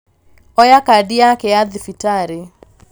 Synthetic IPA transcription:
ɔjakadiakɛaðɪfitaɾɪ

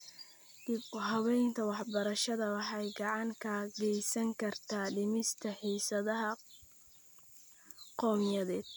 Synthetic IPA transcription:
d̪ɪbɦɑwɛjnt̪ʰɐwɑħbɐɾɐʃɐðɐwɑħɑjɡɑʕɑŋkʰaːɡɛjsɐŋkʰɐrt̪ʰaːɖɪmɪst̪ʰɐħiːsɐðɐɦɐ | qɔːmjɐðɛːd̪̥

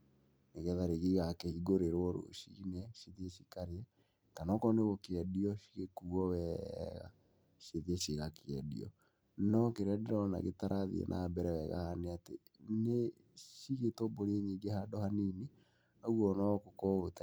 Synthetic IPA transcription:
neɣɛðaɾeɣiɣakehiɡoɾeɾwɔɾo̰ʃḭnɛʃiðeʃi̥kaɾeɛ | tanɔkɔneɣokeɛdiɔʃi̥ɣekuɣɔwɛɣa̰ | ʃeðeʃeɣakeɛdḭɔ̰ | nɔkeɾɛdɛɾɔna̰ɣetaɾʔaðḭḛnʔa̰bɛɾɛwɛɣa̰haneatḛ | ne | ʃiɣetoboɾeɲiːɡehadɔhanini | aɣwɔnɔkokɔota

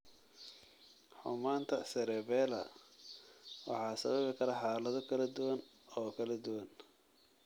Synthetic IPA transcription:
ħʊ̰maːnt̪ʰɐsɛɾɛːβɛːlɐ̰ | wɑ̰ħɑːsɐ̰βɐβɪkʰɐɾɐħɑːlɐðɔkʰɐlɐd̪ʊwɐn | ɔːkʰɐlɐd̪ʊwɐn

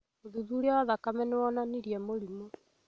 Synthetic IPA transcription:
oðuðuɾeaaðakamɛnewɔnaniɾiɛmoɾimo

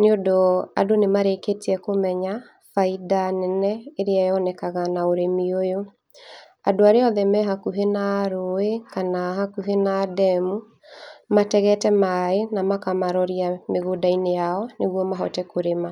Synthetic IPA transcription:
neodoa̰donemaɾeketiɛkomɛɲa | faidanɛnɛeɾeajɔnɛkaɣanaoɾemiojo | adoaɾeɔðɛmɛɦakuɦenaɾoekanaɦakuɦenadɛmu | matɛɣɛtɛmaenamakamaɾɔɾiameɣodainejaɔneɣwɔmaɦɔtɛkoɾema

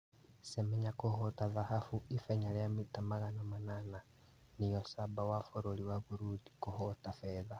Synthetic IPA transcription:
semeɲakuhotaðahafuifeɲaɾejamitamaɣanamanana | nijosabawafoɾoliwaβuɾudi̥kuhotafeða

